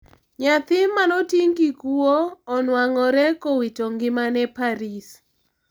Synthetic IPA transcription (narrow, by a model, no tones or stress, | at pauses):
ɲat̪ɪmːanɔtiŋkikuoːnwaŋɔɾɛkowitoŋɡɪmanɛpaɾis